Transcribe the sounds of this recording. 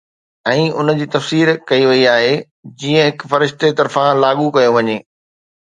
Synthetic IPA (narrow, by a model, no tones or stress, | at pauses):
ɛ̃ːʊnd͡ʑiːt̪ɐfsiːɾkɐiʋɐiaːɦe | d͡ʑiːə̃ɦɪkfɐɾɪʃt̪et̪ɐɾfãlaːɠukɐjoʋɐɲeː